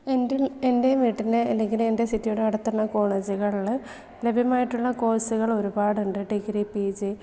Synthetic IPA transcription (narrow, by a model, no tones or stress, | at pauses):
eende̞miʈːinɨelːeŋɡilume̞nde̞sitːijoːɽeɐɽɐt̪ːunːɐko̞ːɳɐd͡ʑiɣɐɭ | le̞bʱjɐmaːjiʈːuɭːɐko̞ːsuɣɐɭo̞ɾubaːɽuɳɖɨʈikːɐɾipiːd͡ʑɨ